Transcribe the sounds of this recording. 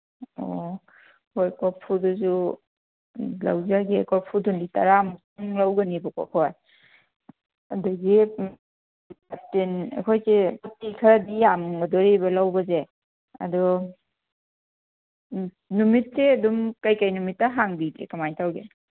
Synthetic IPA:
o̰ | hojkɔpʰudɔzu | la̰wzaɡekʰɔpʰudɔndita̰ɾamsuŋlawɡɐnibɔkɔ̰kʰɔj | ɐdɐɡi | atenḛkʰojsebatːikʰɐɾadijamŋɡɐdɔɾebɐlawbɐze | ɐ̰dɔ | numit̚seɐdumkajkajnumitːaɦaŋbikḛkamajntʰawɡe

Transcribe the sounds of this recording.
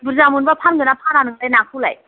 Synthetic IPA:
buɾzamunbapʰanɡɯnapʰananɯŋlajnakʰɯla̰j

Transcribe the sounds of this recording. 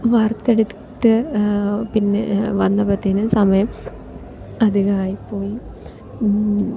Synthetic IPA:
ʋɐɾt̪ːeɽɯt̪ːɨ | pinːeʋɐnd̪ɐpɐt̪ːinɨsɐmɐjɐm | ɐðiɣaːjipːoːji

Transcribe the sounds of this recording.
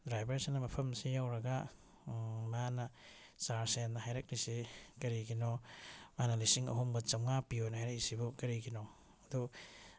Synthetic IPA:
dɾajbeɾsenːɐmɐpʰɐmsijawɾɐɡa | manɐsaɾsenːɐhajɾɐk̚lisikɐɾiɡinomanɐlisiŋɐ̰ɦumbɐt͡ʃɐwŋapiojnɐhajɾak̚lisibukɐɾiɡino | ɐdu

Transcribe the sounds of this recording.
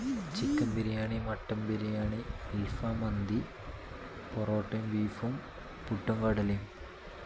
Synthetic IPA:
t͡ɕikːɐmbiɾijaːɳimɐʈːɐmbiɾijaːɳiilfaːmɐnd̪i | poroːʈːɐmʋiːfum | puʈːɐŋkɐɽɐlim

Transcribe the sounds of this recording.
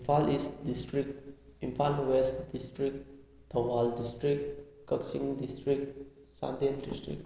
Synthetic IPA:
ifalisdistɾik̚ĩnfanwɛstdistɾik̚ | t̪ʰɔwaldistɾik̚ | kɔksĩŋdistɾik̚ | sã̰nd̪indistɾḭk̚

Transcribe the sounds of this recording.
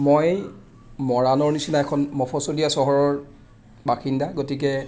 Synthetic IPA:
moj | mɔɹanɔɹnisinaɛkʰɔnmɔpʰɔsolijasɔɦɔɹɔɹ | baxindaɡotik̬ɛ

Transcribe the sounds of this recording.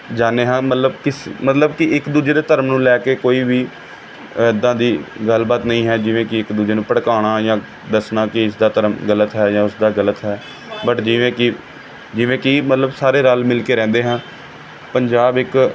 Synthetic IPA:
d͡ʒaːnːeːɦãːmət̪ləbkɪsmət̪ləbkɪɪkd̪uːd͡ʒeːd̪eːt̪əɾəmnũːlɛːkeːkoːiːʋiː | d̪ãːd̪iːɡəlbaːt̪nəĩːɦɛːd͡ʒɪʋẽːkɪɪkd̪uːd͡ʒeːnũːpəɽkaːɽ̃aːjãː | d̪əsnaːkɪɪsd̪aːt̪əɾəmɡələt̪ɦɛːjãːʊsd̪aːɡələt̪ɦɛː | bəʈd͡ʒɪʋẽːkɪ | d͡ʒɪʋẽːkɪmət̪ləbsaːɾeːɾaːlmɪlkeːɾɛ̃ːnd̪eːɦãː | pəɲd͡ʒaːbɪk

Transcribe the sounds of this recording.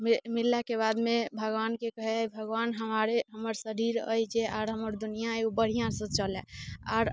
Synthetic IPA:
mimilːakeβad̪mebʱəɡʋankekəɦɛbʱəɡwanɦəmaɾeɦəməɾsəɾiɾə̰jd͡ʒeʔaːɾɦəməɾd̪unijãjubəɽ̤ijãsə̃t͡ʃəlɛa̰ɾ

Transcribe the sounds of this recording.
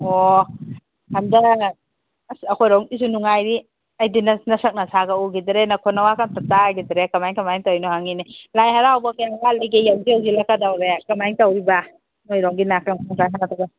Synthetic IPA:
o | handɐ | sɐkʰɔjɾɔŋisunuŋajɾi | ɐjdinnɐsɐk̚nasaɡauɡidɾenakʰɔnawakantataɡidɾekamajŋkamajŋtawinɔhaŋinilajhaɾaɦawbɐkajaŋbalajɡejawziawɡilakadawɾekamajiŋtawɾiba | ŋojɾɔŋɡinakaŋkʰaŋkaɦanataɡa

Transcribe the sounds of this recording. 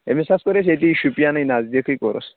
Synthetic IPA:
ḛmisaskɔɾeset̪̬iʃupijanɯjnazd̪ikʰɯjkɔ̰ɾɔ̰s

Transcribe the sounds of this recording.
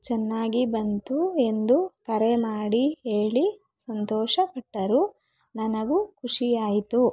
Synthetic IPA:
t͡ʃɛnːaːɡibɐnt̪ue̞nd̪ukɐɾemaːɽiɦeːɭi | sɐnt̪ɔːʃɐpɐʈːɐɾu | nɐnɐɡukʰuʂijaːjit̪u

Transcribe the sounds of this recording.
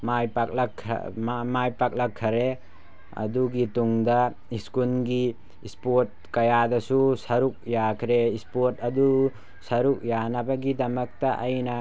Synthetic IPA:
majpak̚lɐkʰːamajpak̚lɐkʰːɐɾe | ɐ̰duɡituŋdɐ | iskulɡi | ispoɾt̚kɐjadɐsusɐɾuk̚jakʰɾeispoɾtɐdu | sɐɾuk̚janɐbɐɡidɐmɐk̚tɐʔɐjnɐ

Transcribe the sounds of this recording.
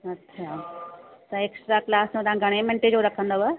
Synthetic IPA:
ɐtːʃʰa | t̪ɐeːksʈɾaklaːsmẽt̪ãɡʱɐɽ̃ẽmẽɳʈed͡ʑoɾɐkʰə̃nd̪oʋə

